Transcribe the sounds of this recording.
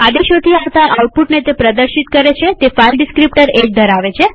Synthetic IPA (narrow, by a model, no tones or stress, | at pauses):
ad̪eʃot̪ʰiaʋt̪aʔawʈ̚puʈnet̪epɾəd̪əɾʃit̪̚kəɾet͡ʃʰet̪efailɖɪskɾipʈəɾed͡ʒd̪ʱəɾaʋet͡ʃʰe